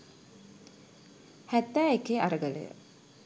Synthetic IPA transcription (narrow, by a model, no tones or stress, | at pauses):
hæt̪ːæːekeːʔaɾəɡələ̰jə̰